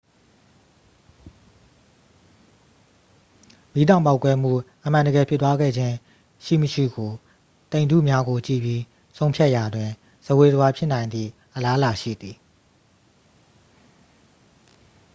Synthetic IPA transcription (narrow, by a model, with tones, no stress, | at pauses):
mi˦dã˦˨ʊ̃p̬a˦ʊkːwɛ˦m̥ṵ˦˨ʔəm̥ã˨ndə˨ɡɛ˨pʰjɪ˦˨t̪wa˦ɡɛ̰˦˨d͡ʑɪ̃˦ | ʃḭ˦˨məʃḭ˦˨ɡo˨ | t̪ẽ˨ndṵ˦˨mja˦ɡo˨t͡ɕḭ˦˨bji˦ | sʰõ˦ʊ̃pʰja˦ʔja˨dwɪ̃˨ | z̥ə˨we˨zəwa˦pʰjɪ˦ʔnã˨ɪ̃nd̪ðḭ˦˨ʔəla˦la˨ʃḭ˦˨d̪ði˨